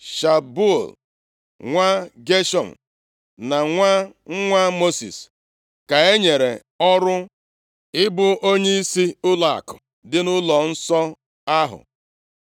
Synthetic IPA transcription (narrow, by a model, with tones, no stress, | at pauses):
ʃa˨bu˦˨l | ŋʷa˦ɡe˦ʃɔ̰˨m̩˨ | na˨ŋʷa˦ŋ̩˦ŋʷa˦mo˦sḭ˨s | ka˨e˦ɲe˨ɾe˨ | ɔ˦ɾʊ˦ | ɪ˦bʊ˦o˦ɲe˦i˦si˦ʊ˦la˨kʊ˨ | dɪ˦nʊ˦lɔ˨n̩˦sɔ˦ | a˦ɦʊ̰˨